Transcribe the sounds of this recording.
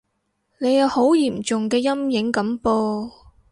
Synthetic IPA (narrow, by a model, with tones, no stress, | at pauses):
ne˨˧jɐ˨˧who˨˥wjiː˨˩mt͡sʊ˨ŋkɛː˧jɐ˥mjɪ˨˥ŋkɐ˨˥mpoː˧